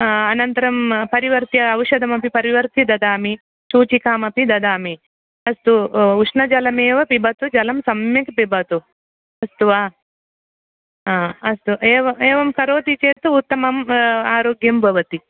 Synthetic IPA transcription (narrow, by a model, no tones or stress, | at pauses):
ɐnɐnt̪ɐɾɐmpɐɾiʋɐɾt̪jɐɐwʃɐd̪ɐmɐpipɐɾiʋɐɾt̪id̪ɐd̪aːmi | suːt͡ʃikaːmɐpid̪ɐd̪aːmi | ɐst̪uuʂnɐd͡ʒɐlɐmeːʋɐpibʱɐt̪ud͡ʒɐlɐmsɐmjɐkpibʱɐt̪u | ɐst̪uʋaː | ɐst̪uʔeːʋɐeːʋɐmkɐɾoːt̪it͡ʃeːt̪uːt̪ːɐmɐmaːɾoːɡjɐmbʱɐʋɐt̪i